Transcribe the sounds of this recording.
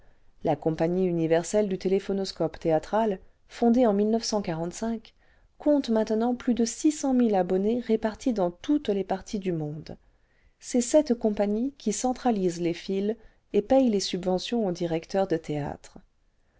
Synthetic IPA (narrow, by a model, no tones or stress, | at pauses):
lakɔ̃paɲiynivɛʁsɛld̪yt̪elefɔnɔskɔpt̪eat̪χal | fɔ̃d̪eɑ̃milnœfsɑ̃kaʁɑ̃t̪sɛ̃k | kːɔ̃t̪mɛ̃t̪nɑ̃plyd̪əsisɑ̃milabɔneʁepaʁt̪ʰid̪ɑ̃t̪ut̪lepaʁt̪ʰid̪ymɔ̃d̪ | sɛsɛt̪kɔ̃paɲikʲisɑ̃t̪χalizlefil | epɛjlesybvɑ̃sjɔ̃od̪iʁɛkt̪œʁd̪ət̪ea̰t̪χ